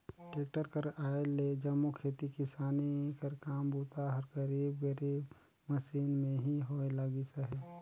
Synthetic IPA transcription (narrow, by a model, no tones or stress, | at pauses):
ʈeːk̚ʈəɾkəɾaːeled͡ʒɐmːukʰɾeːt̪ikɪsaːnikəɾkaːmbuːt̪aɦəɾkəɾiːbɡəɾi | məsiːnmẽɦiɦoːelaɡisəɦɛː